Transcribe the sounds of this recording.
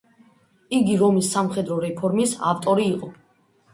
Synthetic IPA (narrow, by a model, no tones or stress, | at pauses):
iɡiɾɔmisːamχɛd̪ɾɔɾɛpʰɔɾmisa̰ft̪ʼɔɾiːqʼɔ